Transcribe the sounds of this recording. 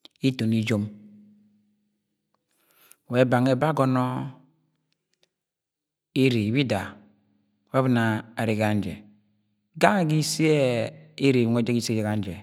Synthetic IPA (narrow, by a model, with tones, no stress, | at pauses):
i˦to˨ni˦d͡ʒo˦m˨ | we˨˦ba˨ŋe˦ba˦ɡo˨nɔ˦ | e˦ɾe˨i˨bi˦da˨˦ | wa˦βi˦˨na˨a˨ɾe˨ɣa˨n˦d͡ʒḛ˨ | ɡa˦ŋ˦˨ɡi˦si˦e˦e˦ɾe˨we˦d͡ʒe˦ki˦se˦d͡ʒe˨ka˨n˦d͡ʒe˨